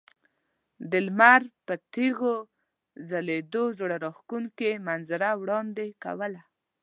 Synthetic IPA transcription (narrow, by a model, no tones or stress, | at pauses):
d̪ɪlmaɾpət̪eɣo | zaled̪ozoɽaɾɑxkunkemanzaɾawɽɑnd̪eka̰wəla